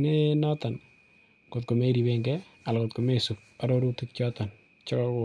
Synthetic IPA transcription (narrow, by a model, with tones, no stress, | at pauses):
ne˦nɔta˨n | ko˨t̚ko˨me˦ɾi˨beŋɡɛ | a˨lkot̚ko˨me˦su˨p̚a˨ɾoɾu˦tu˦k̚t͡ʃɔ˦ta˨n | t͡ʃɔ˦kɔkʊ˨